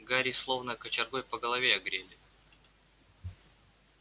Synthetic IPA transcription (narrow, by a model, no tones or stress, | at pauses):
ɡaɾʲislˠovnəkət͡ɕɪrɡojpəɡəlˠɐvʲeɐɡɾʲelʲɪ